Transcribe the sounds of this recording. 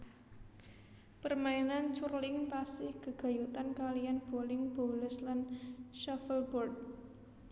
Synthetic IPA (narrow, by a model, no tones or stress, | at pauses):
pərmainant͡ʃurlɪŋt̪asɪhɡ̥ə̤ɡ̥a̤jut̪ankalijanb̥olɪŋb̥o̤lʊslanʃafəlbɔrd̪̚